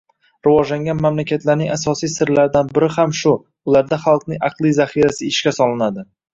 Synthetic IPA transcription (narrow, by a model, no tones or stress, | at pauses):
ɾɪvɒd͡ʒlaŋɡʲanmamlakʲat̪ʰlaɾnɪŋasɒsijsɪɾlaɾd̪anbɪɾɪhamʃʊ | ʊlaɾd̪aχɑlˠqnɪŋɑqlˠijzaχiɾasɪɪʃkʲasɒlˠɪnad̪ɪ